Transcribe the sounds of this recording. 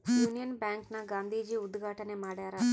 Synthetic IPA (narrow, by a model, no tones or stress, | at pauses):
juːnijɐnbjaːŋknɐɡaːnd̪ʱiːd͡ʒiud̪ɡʱaːʈɐnemaːɽaːɾa